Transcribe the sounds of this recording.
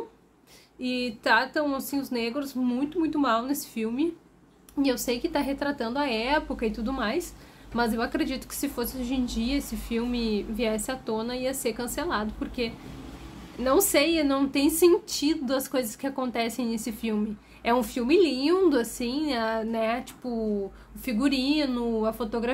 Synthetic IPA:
ɪt̪ɾat̪ɐ̃w̃asĩʊzneɡɾʊzmũj̃t̪ʊmũj̃t̪ʊmawnesɪ̥fiwmɪ | ɪewsejkɪt̪aɦet̪ɾat̪ɐ̃nd̪ʊɐɛpʊkɐɪt̪ud̪ʊmajs | mɐzewakɾed͡ʒit̪ʊ̥kɪ̥sɪfosɪoʒẽd͡ʒiɐesɪfiwmɪviɛsɪat̪õnɐiɐseɾkɐ̃selad̪ʊpʊɾke | nɐ̃w̃sejnɐ̃w̃t̪ẽj̃sẽnt͡ʃid̪ʊɐskojzɐskɪakõnt̪ɛsẽj̃nesɪfiwmɪ | ɛũfiwmɪlĩnd̪ʊasĩɐnɛt͡ʃi̥pʊ | ʊfiɡuɾĩnʊɐfot̪oɡɾa

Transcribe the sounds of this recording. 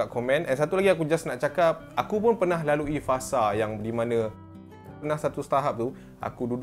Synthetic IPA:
ap̚komɛ̃nɛnsat̪ulaɡiakud͡ʒasnaʔt͡ʃakap̚akupʊnpərnaɦlaluifasajaŋdimãnã | nahsat̪usə̥t̪aɦap̚t̪u | ʔa̰kudud

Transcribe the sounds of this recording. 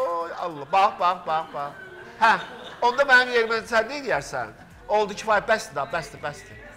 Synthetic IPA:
ojɑ̰lˠːɑbɑχbɑχbɑχbɑχ | hæo̞nd̪ɑmænimjeɾmæsænːed̪ijæɾsæ̰n | olˠd̪ucʰifɑjbæst̪id̪ɑbæsd̪ibæsd̪i

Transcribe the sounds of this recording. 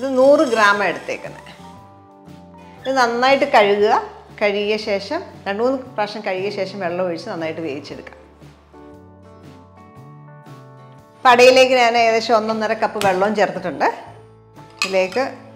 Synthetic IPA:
iðɨnuːrɨɡɾaːmɐeɽut̪ːḛːkːṵnːɨ̰ | iðɨnɐnːaːjiʈːɨkɐɻuɣuɣɐ | kɐɻijːɐɕe̞ːʂɐmnɐʈːmuːnːɨpɐʂɐmkɐɻijːɐɕe̞ːʂɐmʋe̞ɭːoːʋɐɻit͡ɕːɨnɐnːaːjiʈːɨʋḛːðit͡ɕːe̞ɽukːḁ̰ːm | pɐɽɐjile̞ːkːɨɲaːneðeɕɐonːɐnːɐɾɐkːɐpːɨʋe̞ɭːoːmt͡ɕert̪ːiʈːuɳɖɨ | ile̞ːkːɨ

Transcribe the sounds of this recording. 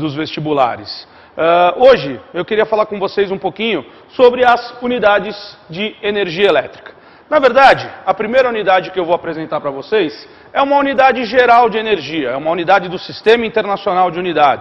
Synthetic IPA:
d̪ʊzvest͡ʃibula̰ɾɪ̰s | ɛoʒɪewkɪɾiɐfalaɾkõvosejzũpokĩɲʊ | sobɾɪɐzunid̪ad͡ʒɪzd͡ʒɪeneɾʒiɐelɛt̪ɾi̥kɐ̥ | nɐveɾd̪ad͡ʒɪɐpɾimejɾɐunid̪ad͡ʒɪkɪewvowapɾezẽnt̪aɾpɾɐvosejs | ɛũmɐunid̪ad͡ʒɪʒeɾawd͡ʒɪeneɾʒiɐɛũmɐunid̪ad͡ʒɪd̪ʊsist̪ẽmɐĩnt̪eɾnasionawd͡ʒɪunid̪ad͡ʒɪ

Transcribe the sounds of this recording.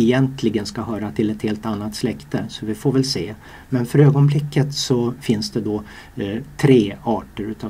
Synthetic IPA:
ɛjɛnt̪ʰlɪɡənskaɦœːɾat̪ʰɪlɛt̪heːlt̪anːat̪slɛkt̪əsɔvɪfoːɾvɛlseː | mɛnfœɾøːɡɔnblɪkːət̪sɔfɪnsd̪ɛd̪ɔ | t̪ʰɾeːɑːʈəɾʉ̟ːt̪ʰɑ

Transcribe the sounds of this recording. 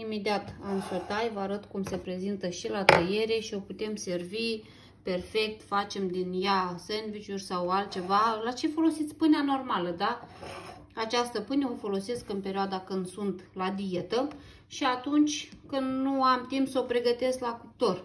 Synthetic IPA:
ime̞d̪iat̪ansot̪ajvaɾət̪kumse̞pɾe̞zint̪əʃilat̪əje̞ɾe̞ʃio̞put̪e̞mse̞rvi | pe̞rfe̞k̚t̪fat͡ʃe̞md̪injasenvit͡ʃurʲsawalt̪̚t͡ʃe̞valat͡ʃe̞fo̞lo̞sit̪sʲpɨneano̞rmaləd̪a | at͡ʃast̪əpɨneofo̞lo̞se̞skɨnpe̞ɾʲioad̪akɨnd̪sunt̪lad̪ije̞t̪ə | ʃiat̪unt͡ʃʲkɨnd̪nuamt̪impsəopɾe̞ɡət̪e̞sklakup̚t̪o̞r

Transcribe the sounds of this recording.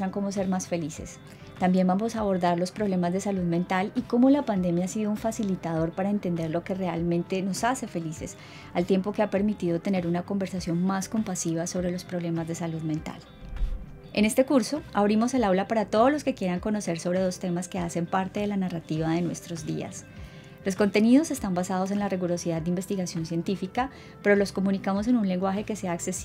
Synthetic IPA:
aŋko̞mo̞s̬e̞ɾmasfe̞lise̞̰s | t̪ambje̞nbamo̞saːβo̞ɾd̪aɾlo̞spɾo̞βle̞mazd̪e̞saluðme̞nt̪aliko̞mo̞lapand̪e̞mjaasiðouɱfasilit̪að̞o̞ɾpaɾae̞nt̪e̞nd̪e̞ɾlo̞ke̞re̞almẽ̞nt̪e̞no̞sase̞fe̞lise̞s | alt̪je̞mpo̞ke̞ape̞ɾmit̪iðo̞t̪e̞ne̞ɾunako̞mbe̞ɾsasjo̞nmasko̞mpasiβ̞aso̞βɾe̞lo̞spɾoβle̞mazd̪e̞saluðmẽ̞nt̪a̰l | e̞̰ne̞st̪e̞kuɾso̞aβɾimo̞se̞lawlapaɾat̪o̞ð̞ozlo̞ske̞kje̞ɾaŋko̞no̞se̞ɾso̞βɾe̞ð̞o̞st̪e̞maske̞ase̞mpaɾt̪e̞ðe̞lanarat̪iβaðe̞nwe̞st̪ɾo̞zd̪ḭa̰s | lo̞sko̞nt̪e̞niðo̞se̞st̪ambasað̞o̞s̬e̞nlariɣuɾo̞siðaðd̪eimbe̞st̪iɣasjo̞nsje̞nt̪ifika | pe̞ɾo̞lo̞sko̞munikamo̞s̬e̞nunle̞ŋɡwaxe̞ke̞se̞aːkses

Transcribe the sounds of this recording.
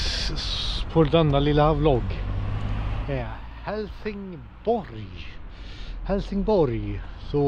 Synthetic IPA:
pʰɔld̪ɛnːalɪləhɑvlɔɡ | ɛ | hɛlθɪŋ | b̥ɔɾɪ | hɛlθɪŋbɔɾɪsɔ

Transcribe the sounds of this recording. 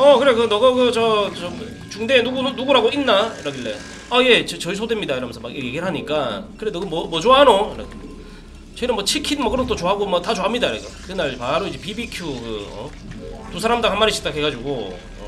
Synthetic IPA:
ʌkɯɾekɯnʌɡʌkɯt͡ɕʌt͡ɕom | t͡ɕuŋdenuɡunnuɡuɾaɡoʔinːaiɾaɡiɭːḛ | ʌje̞t͡ɕʌt͡ɕʌisʰodwemɲidaiɾʌmnsʰʌma̰kjeɡiɭɦaɲik͈akɯɾedɯɡʌmwʌmwʌt͡ɕoanoɯɾʌ̰ɡ | t͡ɕʌinɯnwʌt͡ɕʰikʰinmʌkɯɾʌt͈ot͡ɕoaaɡomʌtat͡ɕoɦamɲidaiɾa̰ɡʌkɯnaɭpaɾoid͡ʑe̞pibikʰjukɯ̰ʌ̰ | tusʰaɾamdaŋɦanmaɾiɕʰi̥t͈akɦe̞ɡad͡ʑuɡo̰ | ʌ̰

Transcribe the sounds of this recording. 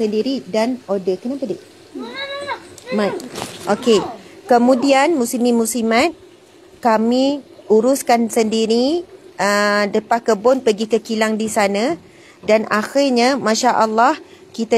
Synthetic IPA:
səndiɾidanodəkənapədiʔ | maʔokekəmũdianmũsimĩmũsimat̪̚ | kamiuɾuskansəndiɾiədəpahkəbʊnpəɡikəkilaŋdisana | danaxirɲamãʃaʔəlːɑh | kit̪a

